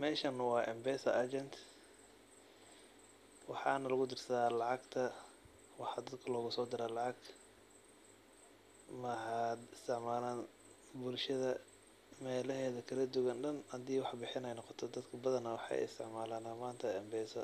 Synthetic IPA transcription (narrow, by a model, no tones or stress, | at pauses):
mɛːʃɐnɐwɑːʔɛmbɛːsɐʔɐd͡ʒɛnt̪ | wɑħɑːnɐlɐɣʊd̪ɪrsɐðaːlɑʕɑɡt̪ʰɐ | wɑħɑd̪ɐd̪kʰɐlɔːɣʊsɔːd̪ɪɾaːlɑʕɑɡ | mɐɦad̪ɪst̪ʰɪʕmaːlaːn | bʊlʃɐðɐ | mɛːlɐɦɛːðɐkʰɐlɐd̪ʊɣɐnɖɐnhɐd̪iːwɑħbɪħɪnɛjnɔqɔt̪ʰɔd̪ɐd̪kʰɐbɐðɐnɐwɑħɑ̰jɪ̰st̪ʰɪʕmaːlaːnaːmaːnt̪ʰɐɛmbɛːsɐ